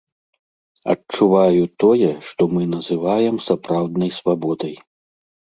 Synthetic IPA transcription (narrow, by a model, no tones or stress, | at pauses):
ɐ̰t͡ʂuvajut̪ɔjɛʂt̪ɔmɨnɐzɨvajɛmsapɾawd̪nɐjsvabɔd̪ɐj